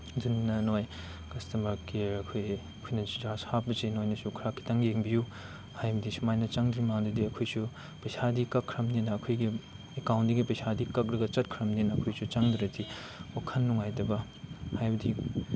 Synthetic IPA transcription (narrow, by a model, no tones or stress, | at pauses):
dinːɐnoj | kɐstɐmɐɾkiɐkʰojɐkʰojnɐd͡ʒid͡ʒashap̚bɐsinojnɐsukʰɾakʰːi̥taŋɡieŋbiju | hajbɐdisumajnɐt͡ʃaŋdɾimaŋdidiɐkʰojsu | pɐjsʰadikɐkʰːɾɐmninɐːkʰojɡi | ekawntdiɡipɐjsadikɐk̚ɾɐɡɐt͡ʃɐt̚kʰɾɐmninɐːkʰojsut͡ʃaŋdɾɐti | okʰɐnːuŋajtɐbɐ | hajbɐdi